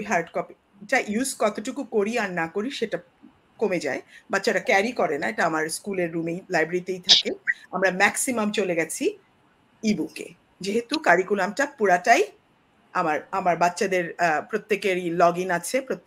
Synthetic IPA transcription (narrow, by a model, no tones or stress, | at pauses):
ɦaɾɖkɔpi | ʈaʔjuzkɔt̪oʈukukoɾiaɾnakoɾiʃeʈa | komed͡ʑa̰ebatːɕʰaʈakɛɾikɔɾenaeʈaamaɾskuleɾːumejlajbɾaɾit̪ejt̪ʰakeamɾamɛksimamt͡ɕoleɡɛt͡ɕʰi | ibukḛ | d͡ʑeɦet̪ukaɾikulamʈapuɾaʈaj | amaɾamaɾbatːʃad̪eɾpɾot̪ːekeɾilɔɡinat͡ɕʰepɾot̪